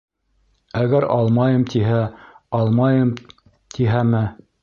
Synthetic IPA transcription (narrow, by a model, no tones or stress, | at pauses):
æɡæɾɑlˠmɑjɤmt̪iɦæɑlˠmɑjɤm | t̪ʰiɦæmɘ